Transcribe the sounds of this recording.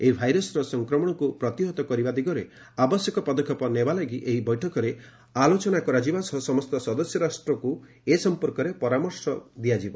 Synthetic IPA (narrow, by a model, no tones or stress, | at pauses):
eibʱajɾɔsɾɔsɔŋkɾɔmɔɽ̃ɔkupɾɔt̪iɦɔt̪ɔkɔɾibad̪iɡɔɾe | abɔsjɔkɔpɔd̪ɔkʰjɔpɔnebalaɡiʔeɦibɔjʈʰɔkɔɾe | alot͡ʃɔnakɔɾad͡ʒibasɔsɔmɔst̪ɔsɔd̪ɔsjɔɾasʈɾɔku | esɔmpɔɾkɔɾepɔɾamɔɾsɔd̪iad͡ʒibɔ